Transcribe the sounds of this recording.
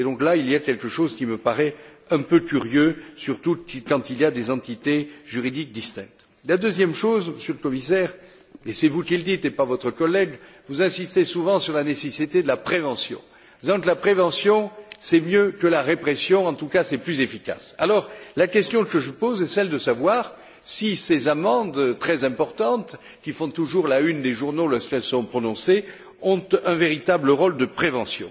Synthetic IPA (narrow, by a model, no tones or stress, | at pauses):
ed̪ɔ̃klailiakʲɛlkəʃozkʲiməpaʁɛ | ɛ̃pøkʲyʁjøsyʁt̪ukɑ̃t̪iliad̪ezɑ̃t̪it̪eʒyʁid̪ik̚d̪ist̪ɛ̃k̚t̪ | lad̪øzjɛmʃozməsyʁləkɔmisɛʁ | esɛvukild̪it̪epaʁvɔt̪χəkɔlːɛɡ | vuzɛ̃sist̪esuvɑ̃syʁlanesesit̪ed̪əlapχevɑ̃sjɔ̰̃ | d̪̥izɑ̃ŋkəlapχevɑ̃sjɔ̃sɛmjøkəlaʁepχesjɔ̃ɑ̃t̪ukasɛplyzefika̰salɔʁlakʲɛst̪jɔ̃kəʒəpozɛsɛld̪əsavwaʁ | sisezamɑ̃d̪t̪χɛzɛ̃pɔʁt̪ɑ̃t̪ | kʲifɔ̃t̪uʒuʁlaynd̪eʒuʁnolɔʁskɛlsɔ̃pχɔnɔ̃se | ɔ̃t̪ɛ̃veʁit̪abləʁɔld̪əpχevɑ̃sjɔ̰̃